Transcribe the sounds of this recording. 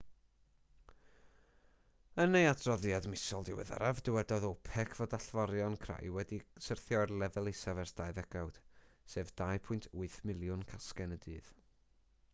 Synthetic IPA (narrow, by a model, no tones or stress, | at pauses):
ənejatʰrɔðjadmɪsɔlˠdɪwɛ̰ða̰ɾavdɪwɛdɔðɔpʰɛkʰvodaɬvɔɾjɔnkʰra̰jwɛdisərθjɔrlˠɛvɛlˠesavɛrsd̥ajðɛɡ̥awd̥seːvd̥ajpʰʊɨntʰuɨθmɪlˠjʊnkʰaskɛnədɨːð̥